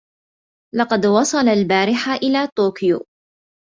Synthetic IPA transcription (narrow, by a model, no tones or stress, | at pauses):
lɑqɑd̪wɑsˤɑlalbaːɾɪħaʔɪlaːt̪oːkɪjo̰